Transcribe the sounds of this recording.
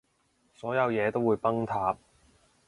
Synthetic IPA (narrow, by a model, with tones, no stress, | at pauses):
sɔː˨˥jɐ˨˧wjɛː˨˧t̪o˥wuː˨˧jpɐ˥ŋt̪ʰaː˧p̚